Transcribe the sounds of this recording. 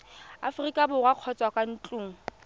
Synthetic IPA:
a̰frikʼabʊrwaq͡χʰɔt͡sʼwakʼan̩t͡ɬʼuːŋ̩

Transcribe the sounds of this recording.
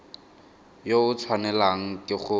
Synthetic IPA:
joʊt͡sʰwanɛlaŋ̩kʼɪχʊ

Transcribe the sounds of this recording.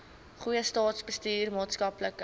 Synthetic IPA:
χujəstɑːtsbəstiːrmɑːtskɐplək

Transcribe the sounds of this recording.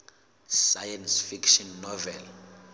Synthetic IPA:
sajansfikʃɔnːɔvɛl

